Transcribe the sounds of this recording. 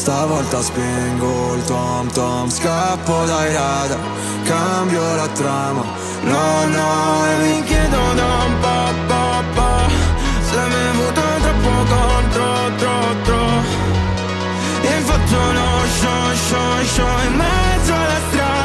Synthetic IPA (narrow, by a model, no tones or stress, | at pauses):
st̪avɔlt̪aspiŋɡolt̪ɔmt̪ɔmskapːod̪aiɾad̪a | kambjolat̪ɾama | nɔnɔɛviŋkjɛd̪od̪ɔmpɔpːɔapːa | sɛmɛvut̪ont̪ɾɔpːokont̪ɾo | t̪ɾɔ | t̪ːɾo | iɱfat̪ːonoʃo | ʃɔ | ʃɔimːɛd̪zːoalːast̪ɾa